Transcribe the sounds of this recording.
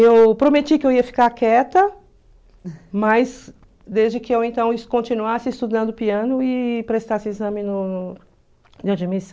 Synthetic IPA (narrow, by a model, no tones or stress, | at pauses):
ewpɾomet͡ʃikɪewiɐfi̥kaɾkɛt̪ɐ | mɐz | d̪ezd͡ʒɪkɪewẽnt̪ɐ̃w̃ɪskõnt͡ʃĩnuasɪːst̪ud̪ɐ̃nd̪ʊpiɐ̃nʊɪpɾest̪asɪizɐ̃mɪnʊnʊ | d͡ʒɪad͡ʒimisɐ̃